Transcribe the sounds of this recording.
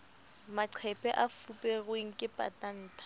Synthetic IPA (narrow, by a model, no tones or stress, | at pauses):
maǀʰɛpʼɛʔafupʼɛɣweŋ̩kʼɪpʼa̰tʼan̩ːtʰʼḁ